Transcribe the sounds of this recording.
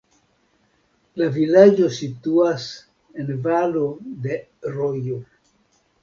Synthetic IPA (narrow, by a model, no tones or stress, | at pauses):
lavilad͡ʒo̞situas | envalode̞ɾojo